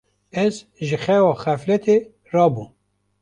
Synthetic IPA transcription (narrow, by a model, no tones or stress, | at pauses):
ɛz | ʒɨxɛwɑːxɛflɛt̪ʰe | rɑːbu